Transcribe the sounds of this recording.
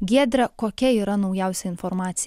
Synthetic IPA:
ɡʲiɛd̪ʲɾʲɐkoːkʲɛiːɾɐnɒʊjæˑʊsʲɛɪnfɔɾmɑːt̪sʲɪ

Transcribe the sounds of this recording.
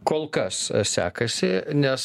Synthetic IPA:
koːlˠkɐssʲæ̰ːkɐsʲɪnʲɛs

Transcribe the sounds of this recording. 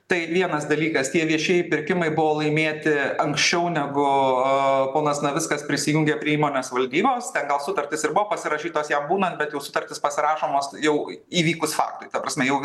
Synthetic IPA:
t̪ɐɪʋʲiɛnɐsd̪ɐlʲiːkɐst̪ʲiɛʋʲiɛʃʲeɛjɪpʲɪɾʲkʲɪmɐɪbʊʋoːlˠɐɪmʲeːt̪ʲɪɐŋksʲt͡ʃʲɛʊnʲɛɡʊ | poːnɐsnɐʋʲɪskɐspʲɾʲɪsʲɪjʊŋʲɡʲepʲɾʲiɛiːmoːnʲeːsʋɐlʲd̪ʲiːboːst̪ʲɛnɡɐlˠsʊt̪ɐɾʲt̪ʲɪsɪɾbʊʋoːpɐsʲɪɾɐʃʲiːt̪oːsjɛmbuːnɐnt̪bʲɛt̪jɛʊsʊt̪ɐɾʲt̪ʲɪspɐsʲɪɾɑːʃoːmoːsjɛʊiːʋʲiːkʊsfɑ̰ːkt̪ʊɪt̪ɐpɾɐsʲmʲɛjɛʊ

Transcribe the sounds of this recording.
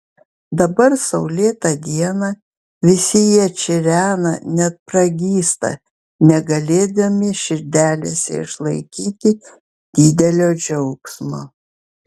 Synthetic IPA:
d̪ɐbɐɾsɐʊlʲeːt̪ɐd̪ʲiɛnɐ | ʋʲɪsʲɪjiɛt͡ʃʲɪɾʲæːnɐnʲɛt̪̚pɾɐɡʲiːst̪ɐ̰ | nʲɛɡɐlʲeːd̪ɐmʲɪʃʲɪɾʲd̪ʲæːlʲeːsʲɛ̰ɪ̰ʃlˠɐɪkʲiːt̪ʲɪ | d̪̥ʲiːd̪ʲɛlʲoːd͡ʒʲɛʊksmoː

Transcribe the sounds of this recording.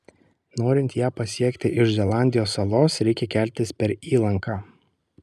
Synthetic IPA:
noːɾʲɪnʲt̪jæːpɐsʲiɛkt̪ʲɪʔɪʃzʲɛlˠɑˑnʲd̪ʲɪjoːsːɐlˠoːsɾʲɛɪkʲɛkʲæˑlʲt̪ʲɪspʲɛɾiːlˠɐŋkʰaː

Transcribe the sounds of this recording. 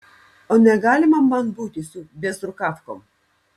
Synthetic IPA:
oːnʲɛɡɑːlʲɪmɐmːɐnbuːt̪ʲɪsʊbʲɛsɾʊkɑfkom

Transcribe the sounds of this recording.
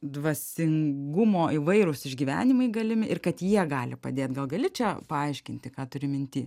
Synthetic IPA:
d̪ʋɐsʲɪŋɡʊmoːɪʋɐɪɾʊsɪʒʲɡʲiːʋʲæ̰ːnʲɪmɐɪɡɐlʲɪmʲɪʔɪrkɐt̪jiɛɡɑːlʲɪpɐ̰d̪ʲeːt̪ɡɐlˠɡɐlʲɪt͡ʃʲɛpɐɐɪʃʲkʲɪnʲt̪ʲɪkɑːt̪ʊɾʲɪmʲɪnʲt̪ʲiː

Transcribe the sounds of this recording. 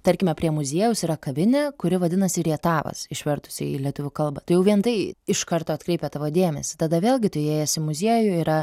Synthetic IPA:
t̪ɐɾʲkʲɪmʲɛpʲɾʲiɛmʊzʲiɛjʊsiːɾɐkɐʋʲɪnʲɛkʊɾʲɪʋɐd̪ʲɪnɐsʲɪɪɾɛt̪ɑːʋɐ̰sɪʃʲʋʲɛrt̪ʊ̥sʲɪ̰ḭlʲɛt̪ʊʋʲʊkɐlˠbɑːt̪ɐɪjɛʊʋʲiɛnt̪ɐɪɪʃkɐrt̪oːɐt̪kɾʲɛɪpʲɛt̪ɑːʋoːd̪ʲeːmʲɛsʲɪ̥t̪ɐd̪ɐʋʲeːlʲˠɡʲɪt̪ɐɪeːjɛsʲɪmʊzʲiɛjʊiːɾɐ

